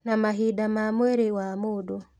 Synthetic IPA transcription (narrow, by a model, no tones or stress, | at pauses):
namaɦidamamwɛɾewamodɔ